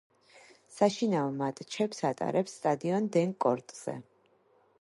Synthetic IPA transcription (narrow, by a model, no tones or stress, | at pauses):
saʃinaɔmat̪ʼt͡ʃʰɛpsat̪ʼa̰ɾʔɛpsːt̪ʼad̪iɔnd̪ɛŋkʼɔɾt̪ʼz̥ɛ̰